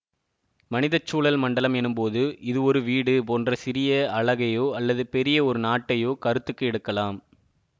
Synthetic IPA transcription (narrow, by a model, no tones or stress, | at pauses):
mɐnɪðɐt͡ʃːuːɭɐlmɐɳɖɐlɐmɛnːɯmpoːðɯʔɪðɯɔɾɯʋiːɽɯpoːndrɐsɪɾɪjɐɐɭɐɣɐjoːɐlːɐðɯpɛɾɪjɐɔɾɯnaːʈːɐjoːkɐɾɯt̪ːɯkːɯɛɽɯkːɐlaːm